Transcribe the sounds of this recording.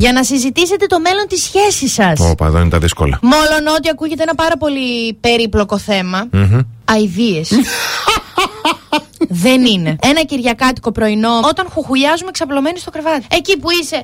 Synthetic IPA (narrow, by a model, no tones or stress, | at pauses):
ʝɐnɐsizit̪ise̞t̪e̞t̪o̞me̞lo̞nt̪isçe̞sisɐso̰pɐ̰ðɐ̰inet̪ɐðisko̰lɐ̰mo̞lo̞no̞t̪iɐkuʝet̪eenɐpɐɾɐpo̞lipe̞ɾiplo̞ko̞θe̞mɐɐiðie̞s | ðe̞nine̞enɐciɾʝɐkɐt̪i̥ko̞pɾo̞ino̞o̞t̪ɐnxuxuʎɐzumeksɐplo̞me̞nist̪o̞kɾe̞vɐt̪iecipuise̞